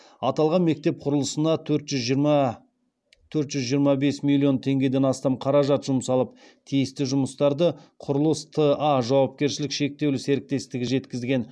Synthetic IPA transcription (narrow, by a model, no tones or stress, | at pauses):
ɑt̪ɑlˠʁɑnme̞k̚t̪e̞p̚qʰʊɾəlˠəsənɑt̪ʰɵɾt̪ʒʏzʒ | t̪ʰɵɾt̪ʒ̥ʏzʒijəɾmɑbe̞smilʲːio̞nt̪ʰe̞ŋɡʲe̞d̪e̞nɑst̪ɑmqʰɑɾɑʒɑt̪ʒʊmsɑlˠəp̚ | t̪ʰijɪst̪ɪʒʊməst̪ɑɾd̪əqʰʊɾəlˠəst̪ʰəaʒɑwɑp̚kʲe̞ɾʃɪlɪkʃe̞k̚t̪e̞wlɪse̞ɾɪk̚t̪e̞st̪ɪɡʲɪʒe̞t̪kʲɪzɡʲe̞n